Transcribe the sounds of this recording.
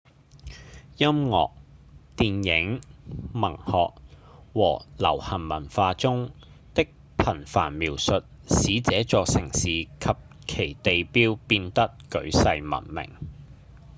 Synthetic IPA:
jɐ˥mŋɔ̰ː˨k̚t̪iː˨˧njɪ˨˥ŋmɐ˨˩ŋhɔː˨k̚ | wɔː˨˩lɐ̰˨˩whɐ˨˩nmɐ˨˩nfaː˧t͡sʊ˥ŋ | t̪ɪ˥k̚ | pʰɐ˨˩nfa̰ː˨˩nmiː˨˩wsɵ˨t̚siː˨˥t͡sɛː˨˥t͡sɔː˧k̚sɪ˨˩ŋsiː˨kʰɐ˨p̚ | kʰe˨˩jt̪e˨jpiː˥wpiː˧nt̪ɐ˥kkɵ˨˥ɥsɐ˧jmɐ̰˨˩nmɪ̰˨˩ŋ

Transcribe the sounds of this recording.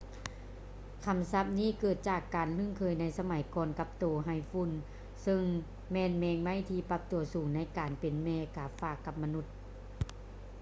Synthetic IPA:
kʰa˧˥msa˧˥p̚niː˥˨kɤː˧˨˩t̪̚t͡ɕaː˨˩kːaː˨˩nlɯ˧˥˨ŋkʰɤː˧˩jna˧˩jsa˧ma˨˦jkɔː˧nka˧˥p̚t̪oː˨˩ɦa˧˩jfu˧˨n | sɤ˧ŋ | mɛː˧˥˨nmɛː˧ŋma˧˥˨jt̪ʰiː˧pa˧˥p̚t̪u˨˩ɐsuː˨˩ŋna˧˥˨jkaː˨npe˨nmɛː˧kaː˨˩faː˧˩kːa˧p̚ma˧nu˧˩t̪̚

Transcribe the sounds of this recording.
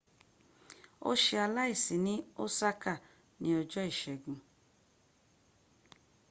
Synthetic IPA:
o̰˦ʃe˧a˧la˦i˦˨si˨nĩ˦o˦sa˦ka˦˨ | nĩ˦ɔ˧d͡ʒɔ˦i˦˨ʃɛ˨ɡũ˨

